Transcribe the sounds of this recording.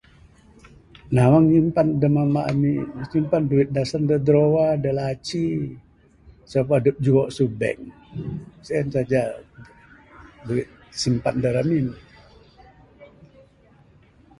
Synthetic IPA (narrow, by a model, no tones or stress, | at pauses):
nawaŋɲimpandəmamaʔamisimpanduɪt̪̚dasandədɾowadəlat͡ʃi | səp̬adəp̚d͡ʒuwɔʔsubɛ̰ŋ | səɛnsad͡ʒa | duɪt̪̚simpandəɾamin